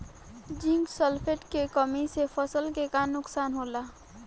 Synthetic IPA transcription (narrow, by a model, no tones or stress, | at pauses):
d͡ʒɪ̃ŋɡsəlpʰeʈkekəmisepʰəsəlkekaːnːʊksaːnɦoːlaː